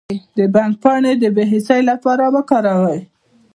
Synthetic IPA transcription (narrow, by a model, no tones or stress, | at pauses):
d̪əbaŋk̚pɑɳed̪əbeɦɪsəjlapɑɾabakɑɾɑwaj